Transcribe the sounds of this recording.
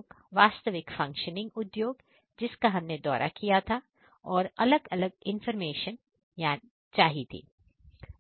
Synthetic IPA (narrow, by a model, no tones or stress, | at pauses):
ɡʋaːst̪əʋɪkfɐ̃ŋkʃənɪ̃ŋɡʊd̪joːɡ | d͡ʒɪskaɦɐmned̪ɔ̰ːɾʔa̰kijat̪ʰa | ɔːɾɐləɡɐləɡ̚ɪ̃nfəɾmeːʃən | jaː | t͡ʃaːɦit̪ʰḭː